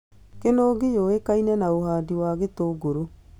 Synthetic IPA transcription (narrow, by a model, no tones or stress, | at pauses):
kenoːɡijoekainɛnaoɦaːdiwaːɣetoːɡoɾo